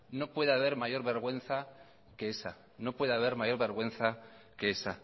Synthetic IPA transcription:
no̞pwe̞ðeaβ̞e̞ɾmaʝo̞ɾβe̞ɾɣwe̞n̟θa | kee̞sa̰ | no̞pwe̞ðaβ̞e̞ɾmaʝo̞ɾβe̞ɾɣwe̞n̟θa | ke̞e̞sa

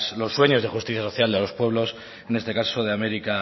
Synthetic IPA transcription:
slo̞sːwe̞ɲo̞zðe̞xust̪iθjasoθjald̪elo̞spwe̞βlo̞s | e̞ne̞st̪e̞kasoð̞e̞ame̞ɾika

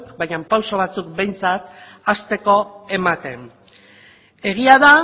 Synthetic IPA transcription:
kbajɲampawsoβ̞at͡sukbe̞jnt͡sat̪ | ast̪e̞ko̞e̞mat̪e̞n | e̞ɣ̞iaða

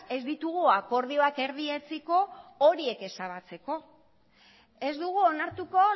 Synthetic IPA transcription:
e̞zd̪it̪uɣ̞uako̞ɾð̞io̞ake̞ɾðie̞t͡siko̞ːɾie̞ke̞saβ̞at͡se̞ko̞ | e̞zd̪uɣ̞uonaɾt̪uko̞

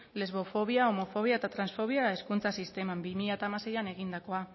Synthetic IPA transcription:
le̞zβo̞fo̞β̞iao̞mo̞fo̞β̞iaet̪at̪ɾansfo̞β̞iae̞skunt͡sasist̪e̞mambimiʎat̪aːmase̞jane̞ɣ̞ind̪ako̞a

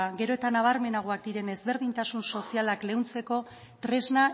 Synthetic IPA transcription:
ɡe̞ɾo̞e̞t̪anaβ̞aɾme̞naɣ̞oak̚d̪iɾe̞ne̞zβe̞ɾð̞int̪asunso̞sialakle̞wnt͡se̞ko̞ | t̪ɾe̞zna

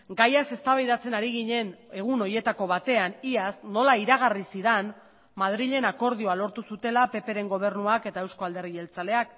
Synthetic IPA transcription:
ɡajase̞st̪aβajðat͡se̞naɾiɣ̞iɲe̞ne̞ɣ̞uno̞je̞t̪ako̞βat̪e̞aniasno̞laiɾaɣ̞arisiðan | maðɾiʎe̞nako̞ɾð̞ioalo̞ɾt̪usut̪e̞lape̞pe̞ɾe̞ŋɡo̞β̞e̞rnuake̞t̪ae̞wsko̞ald̪e̞rɣie̞lt͡sale̞ak

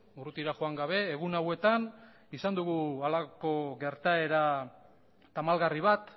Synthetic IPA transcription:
urut̪iɾaxoaŋɡaβ̞e̞ːɣ̞unawe̞t̪an | isand̪uɣualako̞ɣe̞ɾt̪ae̞ɾa | t̪amalɣariβ̞at̪

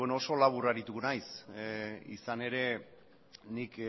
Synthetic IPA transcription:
enooso̞laβ̞uraɾit̪uɣnajs | ḭsane̞ɾe̞ | nik

